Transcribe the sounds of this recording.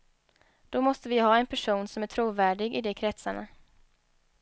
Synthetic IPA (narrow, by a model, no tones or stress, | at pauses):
d̪̥ɔmɔst̪əvɪɦɑːɛnpʰæʂuːnsɔmæʈʰɾuːvæːɖɪɡɪd̪ɛkʰɾɛt̪saɳa̰